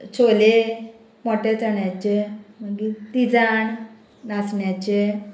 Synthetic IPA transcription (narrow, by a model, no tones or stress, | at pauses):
t͡sʰole | mɔʈjat͡səɳjat͡ɕeməɡit̪id͡zaɳ | nasɳjat͡ɕe